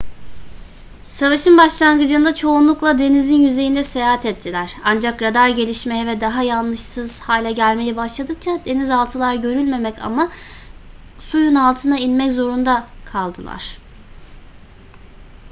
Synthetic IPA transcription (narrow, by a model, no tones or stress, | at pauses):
savaʃɯnbaʃlˠaŋɡɯd͡ʒɯːnd̪at͡ʃʰo̞unlˠuklˠad̪e̞nizinjyze̞jind̪ɛsejaɦat̪ʰɛt̪ʰːilʲæɾ̥and͡ʒakɾad̪aɾɟe̞lʲiʃmejɛvɛd̪aɦajanlˠɯʃsɯz̥haːlʲɛɟælʲme̞jɛbaʃlˠad̪ɯk̚t͡ʃʰad̪e̞nizalˠt̪ʰɯlˠaɾɟø̞ɾylʲme̞mɛca̰ma | sujunalˠt̪ʰɯnainmɛczo̞ɾund̪akʰalˠd̪ɯlˠa̰ɾ̝̥